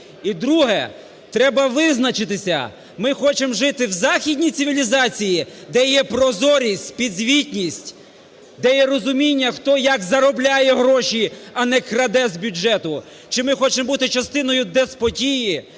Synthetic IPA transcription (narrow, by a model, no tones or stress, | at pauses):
id̪ɾuɦɛ | t̪ɾɛbɐʋɪznɐt͡ʃɪt̪ɪsʲɐ̰ | mɪxɔt͡ʃemʒɪt̪ɪwzɑxʲidʲnʲit̪sɪʋʲilʲizɑt͡sʲijid̪ɛjɛpɾɔzɔɾʲisʲtʲpʲid̪zʲʋʲitʲnʲisʲtʲ | d̪ɛjɛɾɔzʊmʲinʲːɐxt̪ɔjɐkzɐɾɔblʲajɛɦɾɔʃiɐnɛkɾɐd̪ɛzbʲʊd͡ʒɛt̪ʊ | t͡ʃɪmɪxɔt͡ʃembut̪ɪt͡ʃɐst̪ɪnɔjʊd̪ɛspɔtʲiji